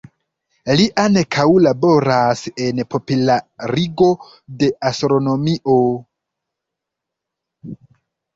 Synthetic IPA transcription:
liʔanekʰawlabo̞ɾase̞npo̞pulaɾiɡo̞ | de̞ʔastɾo̞no̞miʔo̞

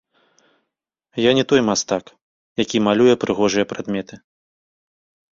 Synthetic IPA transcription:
janʲɛt̪ɔjmast̪ak | jakʲimalʲujɛpɾɨɣɔʐɨjɐpɾad̪mʲɛt̪ɨ

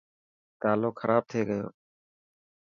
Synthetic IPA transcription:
t̪aːloːkʰəɾʔaːb̚t̪ʰeːɡəjo̰ː

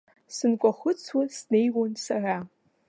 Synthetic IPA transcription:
sɨnkʷʼɔχʷʊt͡sʰwasnejwonsara

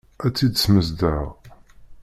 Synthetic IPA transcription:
æt͡sːid̪sməzd̪əʁ

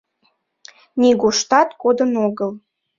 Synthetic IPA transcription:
niɣoʃt̪ɑt̪kod̪ənoɣəl

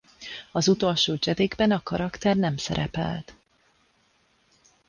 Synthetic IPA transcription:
ɒzut̪o̞lʃoːd͡ʒɛd̪eːɡbɛnɒkɒɾɒkt̪ɛrnɛmsɛ̰ɾʔɛ̰pɛ̰lt̪

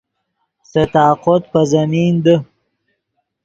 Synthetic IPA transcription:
set̪aːqot̪̚pəzamiːnd̪ə

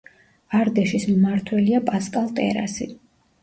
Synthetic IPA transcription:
aɾd̪ɛʃismmaɾt̪ʰwɛliapʼaskʼalˠt̪ʼɛ̰ɾa̰sḭ

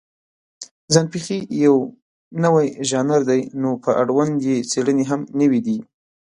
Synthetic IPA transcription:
zanpixijaw | nəwajʒɑnaɾd̪ajnopəʔaɽwand̪jet͡seɽəneɦamnəwid̪i

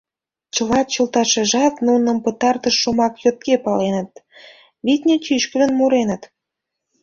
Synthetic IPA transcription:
t͡ɕəlɑt̪̚t͡ɕəlt̪ɑʃeʒɑt̪nunə̆mpə̆t̪ɑrt̪əʃːumɑkjot̪̚kepɑlenə̆t̪̚ | βit̪ʲnʲet͡ɕyʃkə̆lə̆nmuɾenə̆t̪

